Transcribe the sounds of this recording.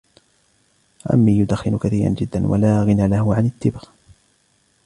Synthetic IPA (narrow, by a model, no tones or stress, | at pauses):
ʔa̰mːiːjʊd̪axːɪnʊkaθiːɾa̰nd͡ʒɪd̪ːanwa̰laːɣɪnalahʊʕanɪt̪ːɪbɣ